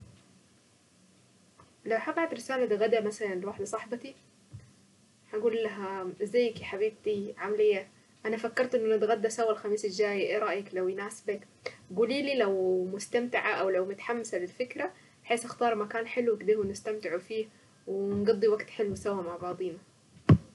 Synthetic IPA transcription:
lawħaɡɑʕat̪ɾɪsaːlad̪aɣad̪amasalanlwaħd̪asˤɑħbɑt̪i | ħaɡuːlːaɦazajːkiħaβiːb̚t̪iʕamalɪjːa | ʔanafakːɑɾˤt̪ʔɪnːʔanat̪ɣad̪ːasawːalxamiːsɪld͡ʒaːjʔeːɾˤɑʔjaklawjnaːsbak | ɡuːliːliːlawmʊst̪amt̪ɪʕaʔawlawmʊt̪ḁħamːasalɪlfɪkɾa | bħeːsʔaxt̪ɑːɾˤmakaːnħɪlːwɪkd̪ɪːhwnɪst̪amt̪ɪʕufiːh | wɪnɡɑd̪ˤːiwaɡt̪ħɪlːwɪsawːamaʕbɑːd̪ˤiːna

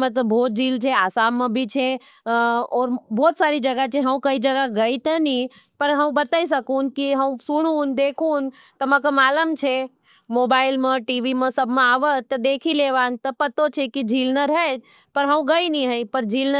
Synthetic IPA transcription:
mə̃t̪əbʱoːt̪̚d͡ʒʱiːlt͡ʃʰeaːsaːmːẽbʱit͡ʃʰe | ɔːɾbɔːt̪saɾid͡ʒəɡat͡ʃʰeɦə̃ũkəid͡ʒəɡaɡəit̪əni | pəɾɦə̃ũbət̪aːis̬əkunkiɦəũsuɽ̃uːnd̪ekʰuːn | t̪əmə̃kəmaːləmt͡ʃʰe | moːbaːɪlmẽʈiʋimẽsəbʱmẽaːʋət̪ːəd̪ekʰileʋaːnt̪əpət̪ot͡ʃʰekid͡ʒʱiːlnəɾɦɛ | pəɾɦə̃ũɡəiniɦəipəɾd͡ʒʱiːlnə

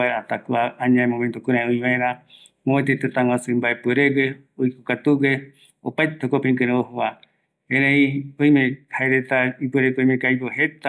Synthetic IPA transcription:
aeɾat̪akuaãɲãẽmomẽnt̪okũɾ̃ãõĩβaẽɾã | moet̪et̪et̪aŋwãsɨmbaepeɾeɡe | oikokat̪uwe | o̰pajt̪eokopẽŋkɨ̃ɾẽohoβa | eɾeiõj̃mẽhaeɾet̪aipueɾekojmẽkaiboɦet̪a

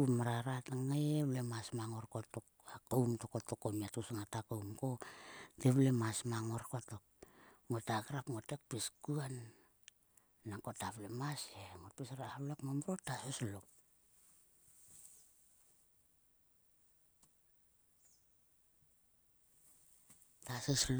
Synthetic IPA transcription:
umaɾaɾataŋaeβlemasmaŋoɾkotokakowmtokotokomiatusŋatakowmkoteβlemasmaŋoɾkotok̚ŋotakaɾapŋotek̚piskuan | akotaβlemaseŋotpisɾaaβlekmomuɾotaseslok̚ | tasesl

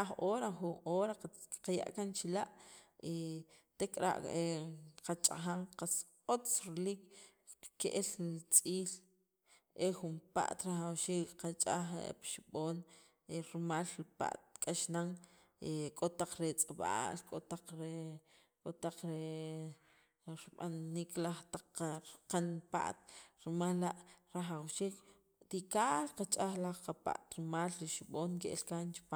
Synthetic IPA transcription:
aχʔoːɾaxunʔoːɾaqaja̰ʔkant͡ʃilaʔi | t̪ekʼɾa̰ʔeqat͡ʃʼa̰χaŋqaskʼot͡sɾeliːk | keʔelt͡sʼiːl | ʔexumpa̰ʔt̪ɾaχawʃiːkqat͡ʃʼaχḛpʃiɓoːn | eɾmaːlɾipa̰ʔt̪̚kʼaʃnaŋ | ekʼot̪aq͡χɾet͡sʼaɓa̰ːlkʼot̪aq͡χɾe | kʼot̪aq͡χɾe | ɾɓa̰nːiklaχt̪aq͡χːaɾqanpa̰ʔt̪̚ɾimalːaʔɾaχawʃiːk | t̪ikaːlqat͡ʃʼaχlaχqapa̰ʔt̪ɾimaːlɾiʃiɓoːŋkḛʔlkant͡ʃi̥paː

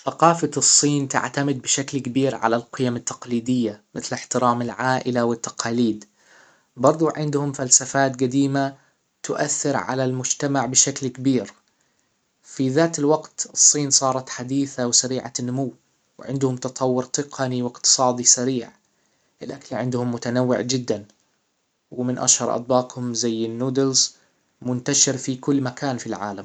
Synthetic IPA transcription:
θaqɑːfasˤːiːnt̪a̰ʕt̪amɪd̪̚bɪʃaklkabiːɾʕa̰lalqɪjamɪt̪ːɑ̥qliːd̪ɪjːamɪθlɪħt̪ɪɾaːmɪlʕaːʔɪlawɪt̪ːɑ̥qɑːliːd̪ | bɑɾˤd̪ˤuʕɪnd̪hʊmfalsafaːt̪ɡad̪iːma | t̪ʊʔaθːɪɾʕa̰lalmʊd͡ʒt̪amaʕbɪʃaklkabiːɾ | fiðaːt̪ɪlwaɡt̪ɨsˤːiːnsˤɑːɾˤɑt̪ħad̪iːθawsaɾiːʕa̰nːʊmʊwː | w̰ʕɪ̰nd̪hʊmt̪ɑt̪ˤʰɑwːʊɾt̪ɨqʰɑniwɪqt̪ɨ̥sˤɑːd̪isaɾiːʕ | ʔɪlʔakalʕɪnd̪hʊmːʊt̪anawːɪ̰ʕd͡ʒɪd̪ːan | wɪmɪnʔa̰ʃhɑɾˤʔɑ̰t̪̚ˤbɑːqhʊmzajːɪnːuːd̪ɪlz | mʊnt̪aʃɪɾfikʊlːmakaːnfilʕa̰ːlam

